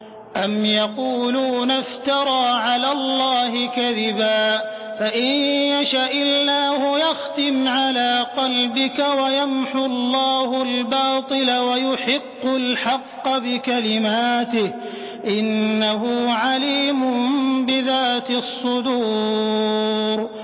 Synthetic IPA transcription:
ʔamjɑquːluːnaft̪ɑɾˤɑːʕalaːlˤːɑːɦɪkaðɪbaː | faʔɪnjaʃaʔɪlːaːhʊjaxt̪ɪmʕalaːqɑlbɪkawajamħʊlˤːɑːhʊlbɑːt̪ˤɨlawajʊħɪqːʊlħɑqːɑbɪkalɪmaːt̪ɪh | ʔɪnːaɦʊʕaliːmʊmbɪðaːt̪ɪsˤːʊd̪uː | ɾ

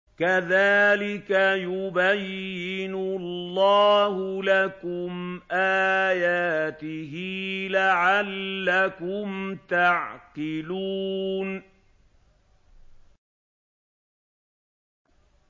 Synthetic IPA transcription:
kaðaːlɪkajʊbajːɪɪnʊlːɑːhʊlakʊmʔaːjaːt̪ɪɦilaʕalːakʊmt̪aʕqɪluːn

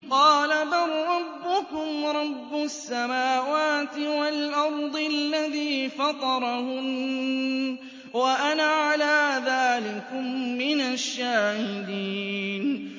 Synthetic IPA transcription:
qɑːlabaɾˤɾˤɑbːʊkʊmɾˤɑbːʊsːamaːwaːt̪ɪwalʔɑɾˤd̪ˤɪlːaðiːfɑt̪ˤɑɾˤɑhʊm | waʔanaʕalaːðaːlɪkʊmːɪnaʃːaːhɪd̪iːn

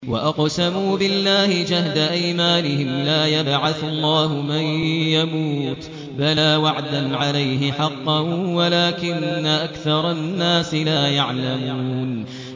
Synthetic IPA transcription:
wa̰ʔɑqsamuːbɪlːaːhɪd͡ʒahd̪aʔajmaːnɪhɪmlaːjabʕaθalˤːɑːhʊmajjamuːt̪ | balaːwaʕd̪anʕalajɦɪħɑqːɑnwalaːkɪnːaʔakθɑɾˤɑnːaːsɪlaːjaʕlamuuːn

